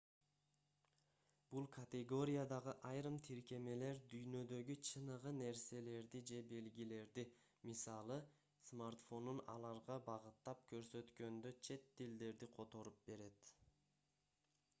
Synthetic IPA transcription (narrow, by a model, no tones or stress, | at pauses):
b̥ulˠkʰɐt̪ʲeɡo̞ɾʲijad̪ɑʁɯʔɑjɾɯmt̪ʰiɾke̞me̞le̞ɾd̪yjnø̞d̪ø̞ɡyt͡ʃʰɯnɯʁɯne̞ɾse̞le̞ɾd̪id͡ʒe̞be̞lɡile̞ɾd̪i | misɑlˠɯ | smart̪fo̞nunɑ̰lˠɑɾʁɑbɑʁɯt̪ːɑp̚kʰø̞ɾsø̞t̪kø̞nd̪ø̞t͡ʃʰe̞t̪ːild̪e̞ɾd̪iqʰo̞t̪o̞ɾup̚be̞ɾe̞t̪